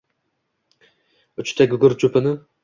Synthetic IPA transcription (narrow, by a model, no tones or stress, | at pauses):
ʊt͡ʃt̪ʰaɡʲʊɡʊɾt͡ʃʰʊpʰɪnɪ